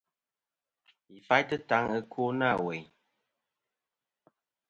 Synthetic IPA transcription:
i˨fa˦jtə˦ta˨˦ŋə˦kʰu˦na˦˨wɛ˨ɲ

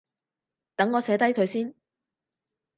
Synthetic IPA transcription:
t̪ɐ˨˥ŋːɔː˨˧sɛː˨˧˥t̪ɐ˥jkʰɵ˨˧ɥsiː˥n

